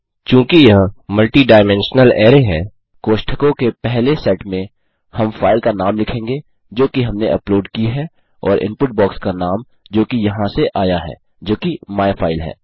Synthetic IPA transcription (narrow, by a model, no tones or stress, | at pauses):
t͡ʃjũːkijɐɦmɐlʈiɖaːɪmɛ̃nʃnəlɛːɾeɦɛː | koːʃʈʰəkõkepɛɦlesɛːʈmẽ | hɐmfaːɪlkanaːmlɪkʰẽːŋɡe | d͡ʒoːkiɦɐmneʔɐploːɖkiɦɛ | ɔːɾʔɪ̰̃mpʊʈ̚bɔːkskanaːm | d͡ʒoːkijɐɦãseʔaːjaɦɛ̰ː | d͡ʒoːkimaːjfʰaːɪlɦɛ̰ː